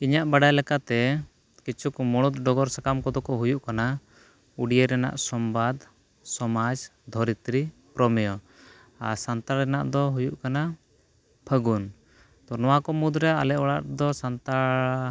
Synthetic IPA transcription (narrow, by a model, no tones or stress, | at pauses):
iɲaʔbaɖajlɛkat̪ɛ | kit͡ʃʰukmɔɽ̃ut̪ɖɔɡɔɾsakamkɔd̪ɔkɔɦujuʔkana | uɖijeɾɛna̰ʔsɔmbad̪ | sɔmad͡ʒd̪ʱɔɾit̪ɾipɾɔmɛjɔ | a̰ɾsant̪aɾɾɛna̰ʔd̪ɔɦujuʔkana | pʰəɡun | t̪ɔnɔwakɔmud̪ɾɛa̰lɛʔɔɽa̰ʔd̪ɔsant̪aɾ